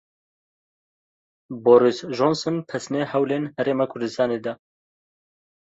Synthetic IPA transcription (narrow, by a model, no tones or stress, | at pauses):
boɾisʒonsɨnpʰɛsnehɛwleːnhɛɾeːmɑːkʰʊɾd̪ɨst̪ɑːneːd̪ɐ